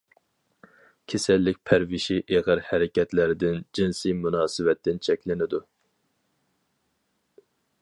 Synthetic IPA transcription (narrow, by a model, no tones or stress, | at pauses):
kʲʰesɛlːɪk̚ʲpʰæɾvɪʃiʔeʁəɾhæɾɪkʲɛt̪lɪɾɪd̪ɪnd͡ʒinsijmunɑːsɨvɛt̪ːɪnt͡ʃʰɛkʲlɪnɪd̪u